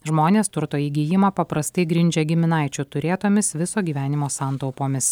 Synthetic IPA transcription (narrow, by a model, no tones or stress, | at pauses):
ʒmoːnʲeːst̪ʊɾt̪oːjiɡʲijɪmɐpɐpɾɐst̪ɐɪɡɾʲɪnʲd͡ʒʲɛɡʲɪmʲɪnɑˑɪt͡ʃʲʊt̪ʊɾʲeːt̪oːmʲɪsʋʲɪsoːɡʲiːʋʲæːnʲɪmoːsɑˑnt̪ɒʊpoːmʲɪs